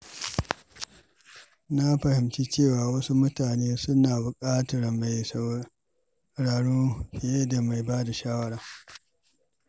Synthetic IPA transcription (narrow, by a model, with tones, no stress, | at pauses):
na˦ɸɐ˨hɪ˨mt͡ʃi˦t͡ʃeː˦˨waː˨wɐ˦su˦mʊ˦taː˨neː˦sʊ˦naː˨bʊ˨kʼaː˦tɐ˨ɾɐ˨mːa˨js | ɽaː˨ɽuː˦ɸɪ˨je˦da˨ma˨jbaː˦da˨ʃaː˦wɐ˦ɽaː˨